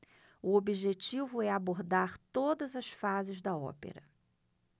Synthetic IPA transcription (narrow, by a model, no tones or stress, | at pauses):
ʊobiʒet͡ʃivʊɛaboɾd̪aɾt̪od̪ɐzɐsfazɪzd̪ɐɔ̰pḛɾɐ